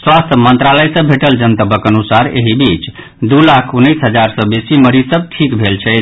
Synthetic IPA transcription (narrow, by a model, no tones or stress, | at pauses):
swast̪ʰəmənt̪ɾaləjsə̃bbʱeʈəld͡ʒənt̪əbəkənusaɾḛɦibit͡ʃ | d̪ulakʰunːisɦəd͡ʒaɾsə̃besiməɾisəb̚ʈʰikbʱelt͡ʃʰɛ